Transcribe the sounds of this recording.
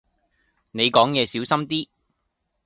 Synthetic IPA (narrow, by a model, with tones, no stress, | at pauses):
ne˨˧jkɔː˨˥ŋjɛː˨˧siː˨˥wsɐ˥mt̪iː˥